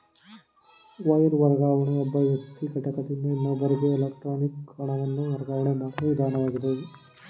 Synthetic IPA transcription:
ʋɐjɐɾʋɐɾɣaːʋɐɳɐɔbɐʋjɐkt̪ːikɐʈːɐkːɐt̪ːinɐinːɐbɐɾiɡeːlɐkʈɾoːnikɐɳɐʋɐnːuʋɐɾɐɡaːʋɐɳɐmaːʈiʋd̪ʱaːnɐʋaːɣiðɐ

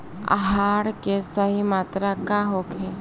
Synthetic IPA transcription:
a̰ɦaːɽkesəɦimaːt̪ɾakaɦokʰe

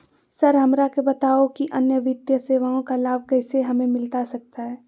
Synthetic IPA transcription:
sɐɾɦɐmɾakebɐt̪aːokiʔɐnjəʋɪd̪jəseːʋaõkalaːb̚kɛɪseɦɐmẽmɪlt̪asɐk̚t̪aɦɛː

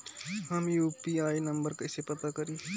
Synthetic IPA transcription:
ɦəmjuːpiaːinəmbəɾkəɪsepɐt̪akəɾi

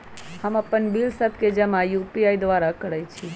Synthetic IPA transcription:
həməpənbilsəb̚ʱked͡ʒəmãjupiajd̪ʋaɾakəɽəjt͡ʃʰi

